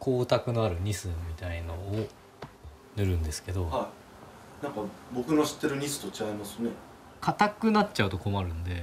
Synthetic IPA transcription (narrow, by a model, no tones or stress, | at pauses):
kʰo̞ːt̪akɯ̟no̞aɾɯ̟ɲ̟isɨmʲit̪ainoː | nɯ̟ɾɯ̟̃nd̪e̞sɨ̥ke̞d̪o̞hai | nãŋkabo̞kɯ̟no̞ɕi̥t̪ːe̞ɾɯ̟ɲ̟isɨ̥t̪o̞t͡ɕikaimasɨne̞ | kʰat̪akɯ̟natːt͡ɕaɯ̟t̪o̞ko̞maɾɯ̟̃nd̪e̞